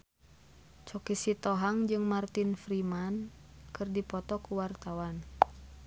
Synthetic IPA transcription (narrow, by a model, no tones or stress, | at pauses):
t͡ʃɔkisit̪ɔɦaŋd͡ʒɨŋmart̪infɾimankɨrdipɔt̪ɔkuwart̪awan